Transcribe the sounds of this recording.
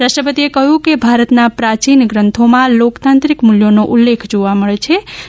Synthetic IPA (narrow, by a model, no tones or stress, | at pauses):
ɾasʈəpət̪iekəɦukebʱaɾət̪napɾat͡ʃinɡɾənt̪ʰomalokt̪ant̪ɾikmuljoneʔulːekʰd͡ʒuʋaməɽɛt͡ʃʰɛ